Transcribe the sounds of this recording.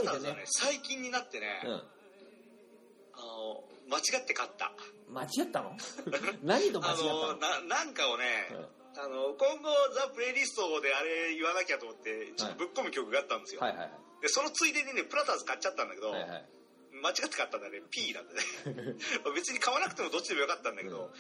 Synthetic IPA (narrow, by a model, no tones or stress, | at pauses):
aɡanesaikʲĩɲ̟ːinat̪ːe̞nẽ̞̰ | ano̰mat͡ɕiɡat̪ːe̞kat̪ːa̰mat͡ɕiɡat̪ːanonaɲid̪oanonanãŋkaone̞ | ano̞kõ̞ŋɡo̞d͡zapɯ̟ɾe̞ɾʲisɨ̥t̪oːd̪e̞aɾe̞iβanakʲat̪o̞mot̪ːe̞t͡ɕot̪ːo̞bɯ̟kːo̞mɯ̟kʲo̞kɯ̟ɡat̪ːãne̞sɨjojha̰ha | d̪e̞so̞no̞t͡sɨid̪e̞ɲinepɯ̟ɾat̪azɨkat͡ɕt͡ɕːat̪ːãnd̪ake̞d̪o̞a̰ | mat͡ɕiɡat̪ːekat̪ːãnd̪aɾepʲiːnã̰nd̪ene | mabe̞t͡sɨɲ̟ikaβanakɯ̟̥t̪e̞mo̞d̪o̞t͡ɕːid̪emojokat̪ːãnd̪ake̞d̪o̞